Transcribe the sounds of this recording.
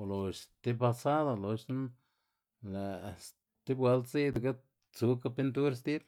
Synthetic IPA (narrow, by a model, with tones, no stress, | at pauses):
lo˨ʃt̪e˧pa˧sa˦d̪a˧lo˨˧ʃna˦ | le˨s | t̪i˦bwa˧˦lt̪t͡si˦d̪a˨ka˦ | t͡su˧ka˧pi˧nt̪u˦ɾst̪i˦b